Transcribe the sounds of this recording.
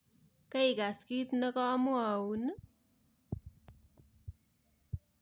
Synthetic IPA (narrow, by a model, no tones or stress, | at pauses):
kʌiɡaskit̪nʌkʌːmuawn